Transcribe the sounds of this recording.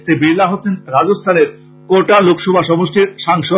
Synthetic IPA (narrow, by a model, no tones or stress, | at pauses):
t̪ʰebiɾlaɦot̪ʰenɾad͡ʑost̪ʰaneɾ | koʈalokʰʃɔbʱaʃɔboʃʈʰiɾʃaŋʃo